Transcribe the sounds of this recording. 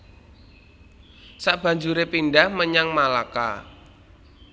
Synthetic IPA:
saʔb̥a̤ɲd͡ʒuɾepindahməɲaŋmalaka̰

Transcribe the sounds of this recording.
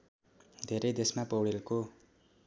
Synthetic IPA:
d̪ʱeɾejd̪esmapʌwɽilko

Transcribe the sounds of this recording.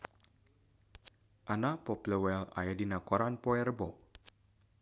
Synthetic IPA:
ʔanapɔpləwɛla̰jadinakɔɾanpɔɛɾəbɔ

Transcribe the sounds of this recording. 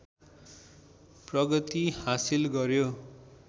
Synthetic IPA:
prʌɡʌt̪ihasilɡʌɾjo

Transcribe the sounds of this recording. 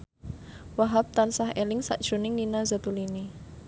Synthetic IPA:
waɦap̚t̪ansahʔelɪŋsa̰ʔd̥ʒ̥ṳnɪŋːinaza̤t̪ulini

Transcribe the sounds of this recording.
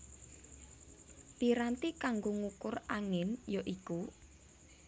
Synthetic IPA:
piɾant̪ikaŋɡoŋukʊraŋɪnjoʔiku

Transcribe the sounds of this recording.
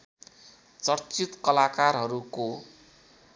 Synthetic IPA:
t͡sʌrt͡sit̪kʌlakarɦʌɾuko

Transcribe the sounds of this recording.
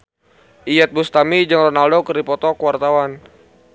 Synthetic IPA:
ʔiat̪̚bust̪amid͡ʒaŋrɔnaldokəripɔt̪ɔkəwart̪awan

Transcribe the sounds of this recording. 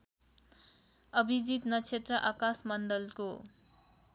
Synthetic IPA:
ʌbʱid͡zit̪nʌt͡sʰet̪rʌʔakasmʌnd̪ʌlko

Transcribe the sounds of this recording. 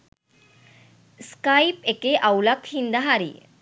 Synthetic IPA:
skajpekeʔawlakhind̪aɦaɾḭ

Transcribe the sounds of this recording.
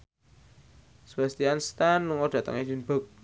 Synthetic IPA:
swɛst̪ianst̪anːuŋɔɖ̥ä̤t̪ə̰ŋed͡ʒənb̥ɔk̚

